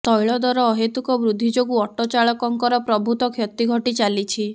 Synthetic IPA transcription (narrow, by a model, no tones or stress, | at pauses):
t̪ɔjɭɔd̪ɔɾɔːɦet̪ukɔbɾud̪ʱːid͡ʒoɡuɔʈɔt͡ʃaɭɔkɔŋkɔɾɔpɾɔbʱut̪ɔkʰjɔt̪iɡʱɔʈit͡ʃalit͡ʃʰi